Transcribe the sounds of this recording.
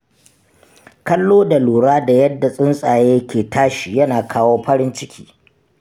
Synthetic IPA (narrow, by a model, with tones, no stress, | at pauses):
kɐ˦lːoː˦da˨luː˨ɽaː˦da˨jɐ˦dːa˨sʼɪ˦nsʼaː˨jeː˦kʲeː˨taː˦ʃi˨jɐ˦naː˨kʰaː˦woː˦ɸɐ˦ɾɪ˦nt͡ʃɪ˦kʲiː˦